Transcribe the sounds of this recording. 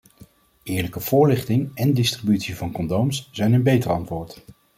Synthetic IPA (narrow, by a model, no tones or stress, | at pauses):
ɪːɹləkəv̥ʊːɹlɪχtɪŋɛndɪstribytsivɑnkɔndowmsz̥ɛjnənbejtərɑntʋʊːɹt